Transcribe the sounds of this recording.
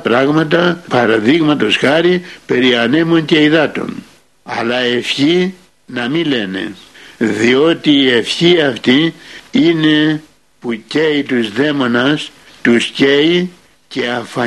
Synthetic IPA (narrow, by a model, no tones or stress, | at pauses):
pɾɐɣmɐt̪ɐpɐɾɐðiɣmɐt̪o̞sxɐɾipe̞ɾiɐne̞munce̞iðɐt̪o̰n | ɐ̰lɐe̞fçi | nɐmile̞ne̞̰ðio̞t̪iːe̞fçiɐft̪iine̞ | puceit̪uzðe̞mo̞nɐs | t̪usce̞i | ce̞ɐɱfɐ